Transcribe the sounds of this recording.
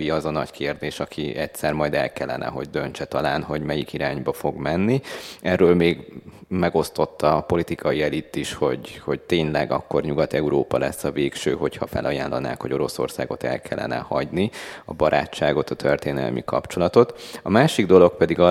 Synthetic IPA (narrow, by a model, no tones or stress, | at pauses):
iɒzɒnɒɟkʰeːrd̪eːʃɒkʰiɛcsɛrmɒjd̪ɛ̰lkɛlːɛnɛ̰ɦo̞̰ɟ̚d̪ønt͡ʃɛt̪ɒlaːnɦo̞ɟmɛjikiɾaːɲbɒfo̞ɡmɛnːiɛrːøːlmeːɡmɛɡo̞st̪o̞t̪ːɒpo̞lit̪ikʰɒiɛlit̪ːiʃho̞̰ɟho̞ɟt̪eːnlɛɡɒ̰kːo̞rɲuɡɒt̪ɛuɾoːpɒlɛsːɒveːkʃøːɦo̞chɒfɛlʔɒjaːnlːɒna̰ːkho̞ɟo̞ɾo̞so̞̰rsaːɡo̞t̪ɛ̰lkʰɛlːɛ̰nɛ̰hɒ̰ɟniɒbɒɾʔa̰ːt͡ʃːaːɡo̞t̪ɒt̪ʰørt̪eːnɛ̰lmʔḭkɒpt͡ʃo̞lɒt̪o̞t̪ɒmaːʃiɡd̪o̞lo̞kpɛd̪iɡɒ